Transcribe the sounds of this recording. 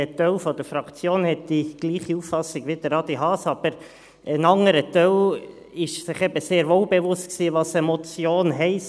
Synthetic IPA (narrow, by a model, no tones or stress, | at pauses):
ətœlfɔd̥əɾfɾɑkt͡sjoːnhɛt̚d̪̥iɡ̥liːχiuffɑsɪɡ̥ʋid̥̪əɾɑdiɦɑːsɑb̥əɾ | ənɑŋəɾətœl | ɪʃsɪχɛbəseːɾʋoːlbeʋʊst̚ksiːʋɑsəmɔt͡sjoːnɦɛɪs